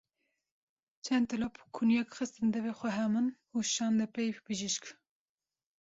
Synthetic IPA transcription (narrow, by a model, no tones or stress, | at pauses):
t͡ʃʰɛnd̪t̪ɨlɔpʰkʰunjɛkxɨst̪ɨnd̪ɛvexʷɛɦɛmɨn | uʃɑːnd̪ɛpɛjpbɨʒiʃk